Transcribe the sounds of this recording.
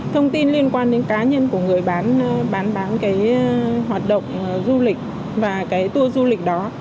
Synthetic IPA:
t̪ʰə˧wŋ͡mt̪i˧nli˧ənkwaː˧nɗe˨˦nkaː˨˦ɲə˧nku˧˩əŋɨ˨˩əjɓaː˨˦nɓaː˨˦nɓaː˨˦nkaː˨˦jɦwaː˨˩t̚ɗə̰˧˨wŋ͡mzu˧lï˨˩k̟̚ | vaː˨˩kaː˨˦jt̪u˧əzu˧lï˨˩k̟̚ɗɔ˨˦

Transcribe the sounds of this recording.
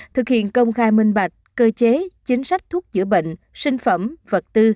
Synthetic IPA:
t̪ʰɨ˨˩k̚hḭ˧˨ənkə˧wŋ͡mxaː˧jmï˧ŋ̟ɓa˨˩jk̟̚kəː˧t͡ɕe˨˦t͡ɕï˨˦ŋ̟sa˦˥k̟̚t̪ʰu˦˥ək̚zɨ̰˧˩əɓḛ˧˨ŋ̟ | sï˧ŋ̟fə˧˩mvə˨˩t̚t̪ɨ˧

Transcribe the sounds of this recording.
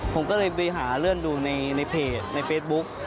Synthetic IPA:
pʰo˩˦mkɔː˥˩lɤː˧jpa˧jɦaː˩˦ɾɯ˥˩ənduː˧na˧jna˧jpʰeː˧˩na˧jfeː˦˥t̪̚bu˦˥k̚

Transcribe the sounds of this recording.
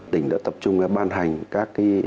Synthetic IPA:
t̪ï˧˩ŋ̟ɗa̰ː˧˥t̪ə˨˩p̚t͡ɕʊ˧ŋ͡mɓaː˧nɦa˨˩jŋ̟kaː˦˥kːa˨˦

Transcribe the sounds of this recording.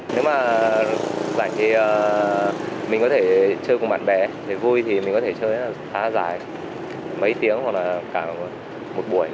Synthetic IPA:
ne˨˦wmaː˨˩ | zaː˧˩ŋt̪ʰi˨˩ʔəː˨ | mï̟˨˩kɔ˨˦t̪ʰe˧˩t͡ɕəː˧jkʊ˨˩ɓa̰ː˧˨nɓɛ˨˩ɗe˧˩vu˧jt̪ʰi˨˩mï̟˨˩kɔ˨˦t̪ʰe˧˩t͡ɕəː˧ja˧˩zaː˨˦za̰ː˧˩˨j | mə˨˦jt̪i˨˦˥əŋhwa˨˩k̚laː˨˩kaː˧˩ | mo˨˩t̚ɓu˧˩əj

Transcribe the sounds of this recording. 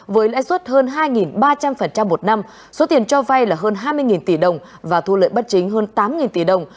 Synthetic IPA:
vəː˨˦jlɛ̰ː˧˥jswə˦˥t̚həː˧nɦaː˧jŋi˨˩nɓaː˧t͡ɕa˧mfə˨˩nt͡ɕa˧mːo˨˩t̚na˧m | so˨˦t̪i˨˩ənt͡ɕɔ˧va˧jlaː˨˩ɦəː˧nɦaː˧jmɨ˧əjŋi˨˩nt̪i˧˩ɗə˨˩wŋ͡m | vaː˨˩t̪ʰu˧lə̰˧˨jɓa˦˥t̚t͡ɕï˨˦ŋ̟ɦəː˧nt̪aː˨˦mŋi˨˩nt̪i˧˩ɗə˨˩wŋ͡m

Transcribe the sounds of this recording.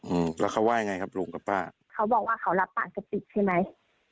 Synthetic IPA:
ʔɯː˧˩lɛː˦˥kʰa˧˥˩wːaː˥˩jŋa˧jkʰa˦˥p̚luː˧˦ŋka˨˧˩pːaː˥˩ | kʰa˦˥wbɔː˨˩k̚waː˥˩kʰa˧˦˥wla˦˥pːaː˨˩k̚t͡ɕa˨˧˩pi˨˩t̪̚t͡ɕʰa˥˩ma˦˥j

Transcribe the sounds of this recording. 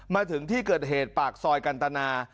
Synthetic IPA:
maː˧t̪ʰɯ˩˦ŋt̪ʰiː˥˩kɤː˨˩t̪̚ɦeː˨˩t̪̚paː˨˩k̚sɔː˧jka˧nt̪a˧naː˧

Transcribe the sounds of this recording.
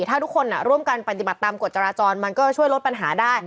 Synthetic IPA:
t̪ʰaː˥˩t̪ʰu˦˥kʰːo˧nːa˨˩ɾu˥˩əmka˧npa˧t̪̬i˨˩ba˨˩t̪ːaː˧mko˨˩t̪̚t͡ɕaː˧ɾaː˧t͡ɕɔː˧nma˧nkɔː˥˩t͡ɕʰu˥˩əjlo˦˥t̪̚pa˧nɦaː˩˦daː˥˩j

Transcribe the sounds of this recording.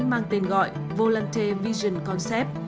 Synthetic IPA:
ŋmaː˧ŋt̪i˨˩nɣɔ̰˧˨j | vo˧la˧nt̪ʰe˧vi˧zə˨˩nkɔ˧nsɛ˦˥p̚

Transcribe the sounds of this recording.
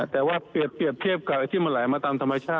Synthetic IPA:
t̪ɛː˨˩waː˥˩pi˨˩əp̚ːi˨˩əp̚t̪ʰi˥˩əp̚ka˨˩ʔa˧˩t̪ʰiː˥˩ma˧laː˩˦jmaː˧t̪aː˧mt̪ʰa˧mːa˧t͡ɕʰaː˥˩t̪̚

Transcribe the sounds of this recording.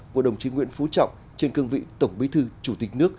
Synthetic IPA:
ku˧˩əɗə˨˩wŋ͡mt͡ɕi˨˦ŋwḭ˧ənfu˨˦t͡ɕɔ̰˧˨wŋ͡m | t͡ɕe˧nkɨ˧əŋvḭ˧˨t̪ə˧˩wŋ͡mɓi˨˦t̪ʰɨ˧t͡ɕu˧˩t̪ï˨˩k̟̚nɨ˦˥ək̚

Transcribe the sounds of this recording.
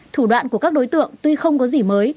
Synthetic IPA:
t̪ʰu˧˩ɗwa̰ː˧˨nku˧˩əkaː˦˥k̚ɗo˨˦jt̪ɨ̰˧˨əŋt̪wi˧xə˧wŋ͡mkɔ˨˦zi˧˩məː˨˦j

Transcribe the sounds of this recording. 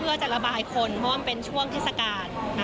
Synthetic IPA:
pʰɯ˥˩ɐt͡ɕa˨˩la˧baː˧jkʰo˧npʰɔ˦˥waː˥pe˧nt͡ɕʰu˥˩əŋt̪ʰeː˥˩t̚sa˧kaː˧nː˦

